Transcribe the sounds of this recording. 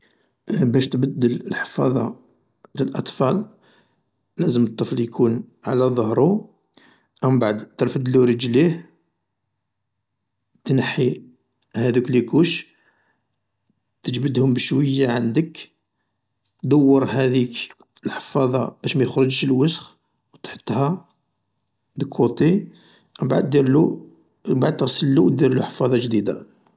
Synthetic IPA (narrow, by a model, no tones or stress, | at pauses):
bæʃt̪bəd̪ːələlħə̥fɑ̰ðˤɑ̰ | ləlʔɑt̪ˤfɑl | læzəmt̪ˤːəfljkʰunʕalæðˤəhɾˤu | ʔæmbaʕd̪t̪əɾfəd̪luɾəd͡ʒlih | t̪nəħːi | hæd̪uklikuʃ | t̪əd͡ʒbəd̪hʊmbəʃwəjːaʕand̪ək | td̪ɑwːəɾˤɦæd̪ik | əlħə̥fɑðˤɑ̰b̥æʃmæjəxɾəd͡ʒəʃlwəsx | wt̪ħə̥t̪ˤːhæ | d̪əkʰːut̪ˤi | ʔbaʕd̪ːiɾlu | baʕd̪̚t̪əɣsəlːud̪iɾluħə̥fɑðˤɑʒd̪id̪a̰